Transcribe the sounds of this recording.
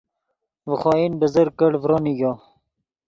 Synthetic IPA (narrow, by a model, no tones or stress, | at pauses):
vəχoːinbəzəɾkəɽvɾoniɡo